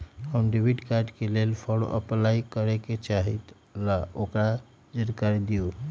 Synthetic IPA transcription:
ɦənɖibʱiɖkaɾɖkelelpʰɔɽo̰ʔə̰plaikəɾeket͡ʃaɦit̪ | laokɾa | d͡ʒəɾkaɾid̪iju

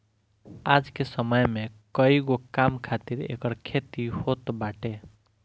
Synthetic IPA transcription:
ad͡ʒkesəməjmekʌiɡokamkʰat̪iɾḛkəɾkʰet̪ihot̪baʈe

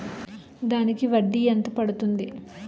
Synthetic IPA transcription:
d̪aːnikiʋɐɖːient̪ɐpɐɽut̪und̪i

